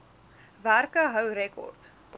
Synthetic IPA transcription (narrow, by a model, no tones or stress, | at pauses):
værkəɦəwɾɛkɔ̰rt